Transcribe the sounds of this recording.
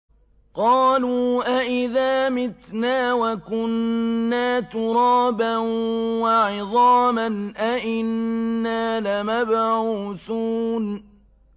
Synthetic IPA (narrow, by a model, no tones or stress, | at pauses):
qɑːluːʔaʔɪðaːmɪt̪naːwakʊnːaːt̪ʊɾˤɑːbanwaʕɪðˤɑːmanʔaʔɪnːaːlamabʕuːθuːn